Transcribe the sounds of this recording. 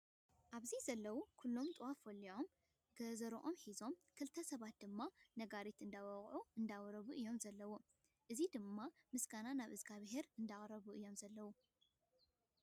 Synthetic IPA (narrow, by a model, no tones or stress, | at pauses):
ʔaβzizɐlːɐwukʰulːo̞mt̪ʼɨwafɐlːiʔo̞m | ɡɐzɐɾʔo̞mħizo̞mkʰɨlt̪ʰɐsɐβat̪̚d̪ɨmːanɐɡaɾit̪ɨnd̪awɐχʼʕuɨnd̪awɾɐβuʔɨjːo̞mzɐlːɐwu | ʔɨzid̪ɨmːamɨsɡananaβɨzɡʰaβɨɦeɾɨnd̪aχʼɾɐβuʔɨjːo̞mzɐlːɐwu